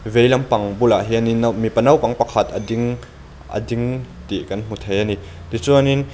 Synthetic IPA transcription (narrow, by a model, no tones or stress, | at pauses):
vɛjlɐmpɐŋbulaʔɦianinɐwmipɐnɐwpɐŋpɐkʰɐt̪ɐ̰diŋ | ʔə̰diŋ | t̪iʔkɐnm̥ut̪ʰejani | t̪it͡suanin